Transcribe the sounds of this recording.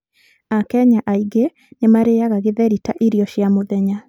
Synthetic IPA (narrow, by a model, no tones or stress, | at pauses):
akɛɲaʔaiɡe | nemaɾejaɣaɣeðɛɾitaʔiɾiɔɕjamoðɛɲa